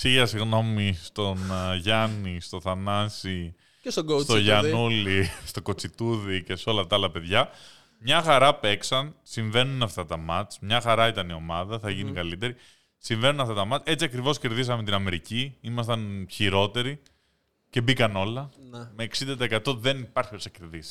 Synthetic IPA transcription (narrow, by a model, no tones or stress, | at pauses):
siɣɐsiɣno̞mist̪o̞nʝɐnist̪o̞θɐnɐsi | sost̪oʝɐnulist̪o̞ko̞t͡sit̪uðice̞seo̞lɐft̪ɐɐlɐpe̞ðʝɐ | mɲɐxɐɾɐpeksɐnsiɱve̞nunɐft̪ɐt̪ɐmɐt͡smɲɐxɐɾɐit̪ɐnio̞mɐðɐθɐʝinikɐlit̪e̞ɾi | siɱve̞nunɐft̪ɐt̪ɐmɐt͡se̞t͡siɐkɾivo̞sce̞ɾðis̬ɐmet̪inɐme̞ɾiciimɐst̪ɐnçiɾo̞t̪e̞ɾi | ce̞bikɐno̞lɐme̞ːksind̪ɐt̪ekɐt̪o̞ðe̞nipɐɾçiosɐce̞ɾðisi̥